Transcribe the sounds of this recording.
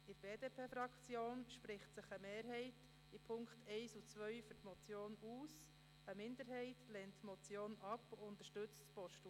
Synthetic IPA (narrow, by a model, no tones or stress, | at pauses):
ɪɾb̥eːdeːpʰeːfɾɑkt͡sjoːnʃpɾɪχtsəχəmeːɾɦɛɪt | ipʰʊŋkχtɛɪsut͡sʋœʏɥfytmɔt͡sjoːnuːs | əmɪnd̪əɾɦɛɪtlɛntːmɔt͡sjoːnɑpʊnt̪əɾʃtɵt͡stpɔʃtu